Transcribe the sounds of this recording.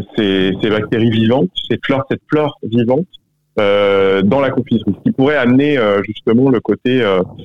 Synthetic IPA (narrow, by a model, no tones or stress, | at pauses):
sesebak̚t̪eʁivivɑ̃t̪sɛt̪flœʁsɛt̪flœʁvivɑ̃t̪ | ød̪ɑ̃lakɔ̃fizʁisə̥kʲipuʁɛamneøʒyst̪əmɑ̃ləkot̪eø